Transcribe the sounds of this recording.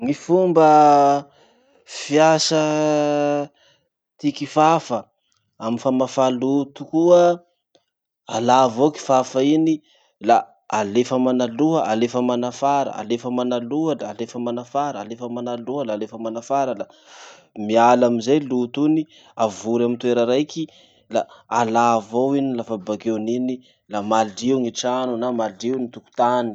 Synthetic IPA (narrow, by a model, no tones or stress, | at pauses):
ŋifumbə | fiasə | t̪ikifafə | amifamafalut̪ukuə | alavoki̥fafaini | la | alefəmanaluəʔalefəmanafaɾə̰a̰lefəmanaluəlaːlefəmanafaɾəalefəmanaluəlaːlefəmanafaɾəla | mialamizajlut̪uni | avuɾamint̪ueɾəɾajki | laalavowinilafabakenini | lamaliwŋiʈ͡ʂanunamaliwnit̪uku̥t̪ani̥